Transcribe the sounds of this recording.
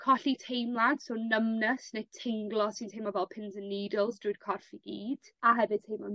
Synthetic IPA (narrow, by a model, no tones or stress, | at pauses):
kʰɔɬitʰejmlˠandsoːnəmnəsnetʰɪŋɡlˠɔsɪntʰejmɔvɛlˠpʰɪnzənːiːdɪlˠsdruɨd̥kʰɔrfiɡ̥iːd̥aɦɛvɨd̥̚tʰejmlan